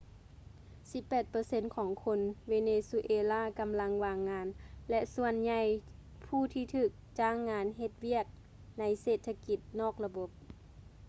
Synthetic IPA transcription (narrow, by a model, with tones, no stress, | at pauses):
si˧˦pːɛː˨˩t̪̚pɤː˧˦se˧˥nkʰɔː˩˦ŋkʰo˧nweː˧neː˧su˧ʔeː˧laː˧˥˨ka˧˦mla˧˥ŋʋaː˧ŋːaː˧˥nlɛ˧ʔsu˧ənɲa˧j | pʰuː˧˩t̪ʰiː˧t̪ʰɯː˧˩k̚t͡ɕaː˧˩ŋːaː˧nɦe˧t̪̚wi˧˥˩ək̚ | na˧˥jseː˨˩t̪ʰːa˧ki˧˦t̪̚nɔː˥˩k̚la˧bo˧˦p̚